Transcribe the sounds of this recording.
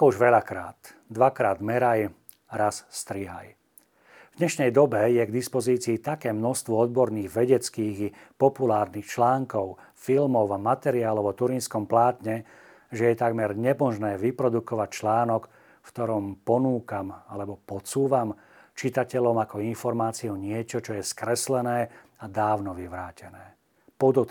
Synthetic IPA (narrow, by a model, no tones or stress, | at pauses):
kɔuʒʋɛʎakɾa̰ːt̪ | d̪ʋakɾaːd̪mɛɾaj | ɾasst̪ɾiɦa̰j | vd̪ɲɛʃnɛjd̪ɔbɛjɛɡd̪ispɔziːt͡siːt̪akɛːmnɔst̪ʋɔɔd̪̚bɔɾniːɣʋɛɟɛt͡skiːɣipɔpulaːɾniːxt͡ʃlaːŋkɔʊ | filmɔʊamat̪ɛɾiaːlɔʊɔt̪uɾinskɔmplaːt̪ɲɛ | ʒɛjɛt̪aɡmɛɾɲɛmɔʒnɛːʋipɾɔd̪ukɔʋac̚t͡ʃlaːnɔk | ft̪ɔɾɔmpɔnuːkamalɛbɔpɔt͡suːʋam | t͡ʃit̪acɛʎɔmakɔinfɔɾmaːt͡siɔɲɪɛt͡ʃɔt͡ʃɔjɛskɾɛslɛnɛː | ad̪aːʊnɔʋiʋɾaːcɛnɛː | pɔd̪ɔt̪